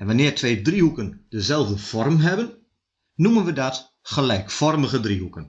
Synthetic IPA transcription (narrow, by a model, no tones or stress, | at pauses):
ɛnʋanɪːrtʰʋeːdrihukənd̥əzɛlˠvdəfɔrmɦɛbən | numənʋədat | χəlɛjkfɔrməɣədriɦukən